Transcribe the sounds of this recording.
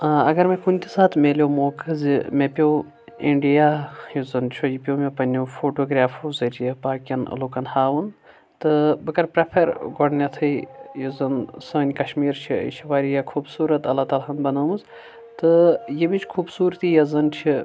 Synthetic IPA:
ɐ̰ɡɐɾmẽkunʲt̪ʲisaːt̪ʰmʲeːlʲjoːmoːkɐzimepʲjoː | iɳɖijaːjuzɐnt͡ʃʰojipʲoːmʲepɐnʲofʰoːʈoːɡɾʲaːfuzɐɾjɐpaːkʲɐn̰lokɐnhaːʋun | t̪ɨbɨkɐɾpɾɐpʰɐɾɡoɽnʲɐt̪ʰɐjjuzɐnsɐnʲkɐʃmiːɾt͡ʃʰḭʃʰiʋaːɾijakʰuːbsuːɾɐt̪ɐlːaːt̪aːlɦɐnbɐnɐːmuz | t̪ɨjimit͡ʃʰkʰuːbsuːɾt̪ijɐzɐnt͡ʃʰi

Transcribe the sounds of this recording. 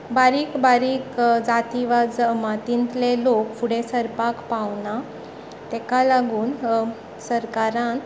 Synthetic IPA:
baɾiːkbaɾiːkd͡zat̪iʋad͡zəmat̪int̪lelokfuɽesəɾpakpawna | t̪ɛkalaɡuːn | səɾkaɾãn

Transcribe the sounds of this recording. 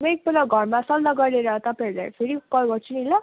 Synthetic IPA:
mek̚belaɡʱʌrmasʌlnʌɡʌɾleɾʌt̪ʌpãɾla̰pʰeɾikʌɡʌɾt͡sʰuniila

